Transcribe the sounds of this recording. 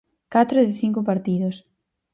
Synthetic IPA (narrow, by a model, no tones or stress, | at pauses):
kat̪ɾoðɪθiŋkopaɾt̪iðos